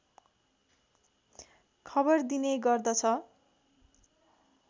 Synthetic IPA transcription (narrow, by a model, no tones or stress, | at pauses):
kʰʌbʌrd̪inejɡʌrd̪ʌt͡sʰʌ